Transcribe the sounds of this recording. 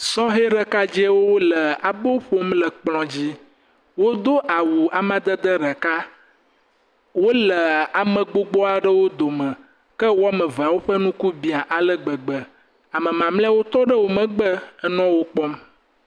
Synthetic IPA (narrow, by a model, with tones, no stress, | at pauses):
sɔ̃˦ɦe˦ɖə˨ka˦d͡ʑɛ˦wo˦o˦lə˨a˨bo˦ɸo˦mlə˨k͡plɔ̃˨d͡ʑi˦ | wo˦d̪o˦ʔa˨wu˨a˨mã˨d̪ə˦d̪ə˦ɖə˨ka˦ | wo˦lə˨a˨mə̃˨ɡ͡bo˦ɡ͡bɔ˦a˨ɖə˦wo˦d̪o˨mə̃˨ | kə˦wo˦a˦mə̃˨va˨wo˦ɸə˦nũ˦ku˦bi˨a˨ʔa˨lə˦ɡ͡bə˨ɡ͡bə˨ | a˨mə̃˨mã˨mlwo˦t̪ɔ˦ɖə˦wo˨mə̃˨ɡ͡bə˦ɛ˦nɔ̃˦wo˦k͡pɔ˦m